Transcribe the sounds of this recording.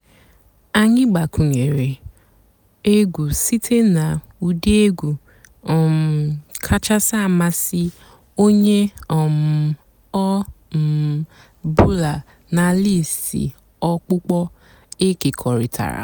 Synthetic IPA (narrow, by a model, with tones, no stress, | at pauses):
a˦ɲɪ˦ɡ͡ba˨ku˨ɲe˨ɾe˨ | e˦ɡʷu˨si˦tʰe˦na˨ | u˨di˦e˦ɡʷu˨ | m̩˨kʰa˦t͡ʃa˦sa˦˨ma˦sɪ˦ | o˦ɲe˦˨m̩˨ | ɔ˦˨ | bu˦la˨ | na˨li˦˨sḭ˨ | ɔ˦k͡pʊ˦k͡pɔ˦ | e˦ke˨kʰɔ˨ɾi˨tʰa̰˨ɾa̰˨